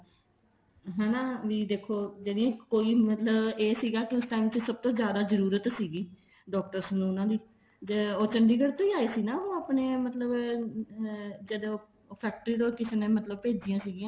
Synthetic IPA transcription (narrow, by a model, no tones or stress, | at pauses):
ɦɛ̃ːnãːʋiːd̪eːkʰːoːd͡ʒeːdɪjãːkoːiːmət̪ləbeːsiːɡaːkɪʊsʈaːiːmt͡ʃəsəb̚t̪õːzjaːd̪aːzəɾuːɾət̪siːɡiː | ɖɔːk̚ʈəɾsənũːʊnãːd̪iː | d͡ʒeoːt͡ʃəɳɖiːɡəɽt̪õːiːaːeːsiːnãːɦõːaːpneːmət̪ləb | d͡ʒəd̪eːoː | pʰɛːk̚ʈəɾiːd̪õːkɪsnẽːmət̪ləb̚peːd͡ʒijãːsiːɡijãː